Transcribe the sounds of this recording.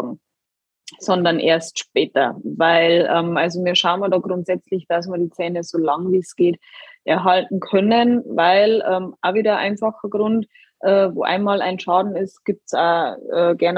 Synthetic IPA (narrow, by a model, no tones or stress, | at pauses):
ɡŋ̩ | sɔndɐnʔḛːɐstʃpɛːtɐ̰vaɪlʔɛːmʔalzomiːɐʃaʊnmadɑːɡʁʊntz̥ɛt͡slɪçd̥as̬maːɐdiːt͡sɛːnəzoːlɑŋviːsɡ̥eːtʔɛɐɦaltn̩kʰœnənvaɪlɛːmʔaviːdɐʔa̰ɪnfaxɐɡʁʊnt | ʔɛːvo̰ːʔa̰ɪnmɑːla̰ɪnʃɑːdn̩ɪstɡ̥ip̚tsa̰ːʔɛːɡɛɐn